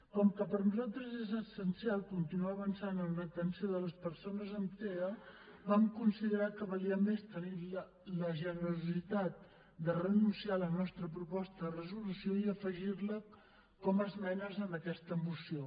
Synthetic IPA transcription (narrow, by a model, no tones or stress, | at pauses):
kɔŋkəpəɾnuzalˠt̪ɾəzezəsənsialˠkunt̪inuaːβənsanənlət̪ənsioðələspəɾsonəzəmt̪eə | βamkunsiðəɾakəβəliəmest̪ənilə | ləʒənəɾuzit̪at̪̚ | d̪ərennusialˠənɔst̪ɾəpɾupɔst̪əðərəzulusjoiəfəʒiɾlə | kɔməzmɛnəzənəkɛst̪əːmusio